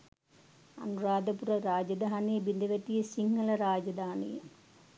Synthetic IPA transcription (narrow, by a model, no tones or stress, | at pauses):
ɐ̰nuraːd̪ɐpurɐɾaːd͡ʑɐd̪ʱaːnibind̪ʱɐʋɐtːijɐsiŋːɐɭɐɾaːd͡ʑɐd̪ʱaːnḭ